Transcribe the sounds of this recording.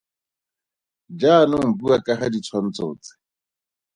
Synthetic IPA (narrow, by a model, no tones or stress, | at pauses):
d͡ʒanʊŋ̩buakʼaχadit͡sʰwan̩t͡soːt͡sɪ̥